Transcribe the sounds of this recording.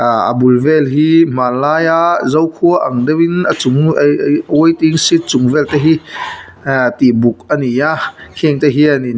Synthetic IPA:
aa̰bulvɛlɦiːm̥anlaːjaʔzɔwkʰuəʔaŋdewinat͡suŋ | ujt̪iŋsit̪̚t͡sʊŋvɛlt̪ɛɦi | t̪ibuk̚anijakʰiŋt̪ɛɦiani

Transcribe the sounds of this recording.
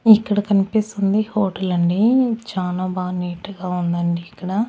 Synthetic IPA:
ikːɐɽɐkɐnipist̪und̪ihoːʈɐlɐɳɖit͡ʃaːnɐbaːniːʈːuɡaːund̪ɐɳɖiːkːɐɽɐ

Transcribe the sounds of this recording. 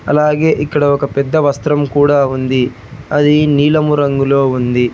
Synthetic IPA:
ɐ̰laːɡe̞ːʔikːɐɽɐɔkɐpɛd̪ːɐʋɐst̪ɾɐmkuːɽaːund̪i | ɐd̪iniːlɐmuɾɐŋɡulo̞ːund̪i

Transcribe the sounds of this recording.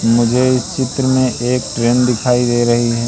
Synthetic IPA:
mʊd͡ʒʱeɪst͡ʃɪt̪ɾəmẽʔeːk̚ʈɾeːnd̪ɪkʰaːid̪eːɾɐɦiɦɛː

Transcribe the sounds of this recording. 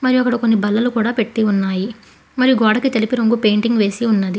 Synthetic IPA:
mɐɾijuɐkːɐɽɐkonːibɐlːɐlukuːɽaːpe̞ʈːiunːaːji | mɐɾijuɡɔːɽɐkit̪e̞lipiɾoŋɡupe̞jɳʈiŋɡʋe̞ːsiunːɐd̪i

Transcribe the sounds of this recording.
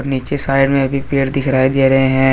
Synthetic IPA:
ɾniːt͡ʃesaːɪɖmẽɐbʱipeːɽd̪ɪkʰɾaːed̪eːɾɐɦeɦɛ̃ː

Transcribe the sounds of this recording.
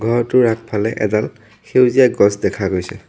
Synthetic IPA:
ɡʱɔɹɔtʊɹak̚ʰpʰalɛʔɛ̰dal | xewzijaɡɔsdɛkʰaɡojsɛ

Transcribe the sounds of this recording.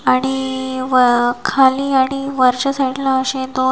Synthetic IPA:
aɽ̃iʋəkʰaliːaɽ̃iʋəɾt͡ɕəsəʈlãəɕẽd̪o

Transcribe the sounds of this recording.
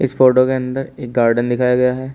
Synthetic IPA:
ɪsfoːɾʈokeɐ̃nd̪əɾeːk̚ɡaːɾɖənd̪ɪkʰaːjaɡɐjaɦɛː

